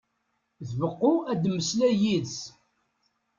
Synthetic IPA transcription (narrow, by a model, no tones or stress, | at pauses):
ðvəqːʊæd̪mːəslæjis